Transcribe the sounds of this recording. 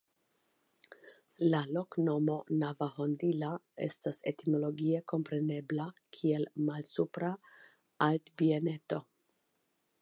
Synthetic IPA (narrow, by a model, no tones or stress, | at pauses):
lalokno̞mo̞navahondilae̞̰stasetimo̞lo̞ɡieko̞mpɾe̞ne̞blakʰielmalsupɾa | altbiene̞to